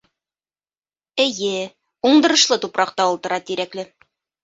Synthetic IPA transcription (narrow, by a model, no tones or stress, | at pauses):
ɘ̆jɘ | uɴd̪ɤ̆ɾɤ̆ʃlˠɤt̪upɾɑq̚t̪ɑulˠt̪ɤ̆ɾɑt̪iɾæklɘ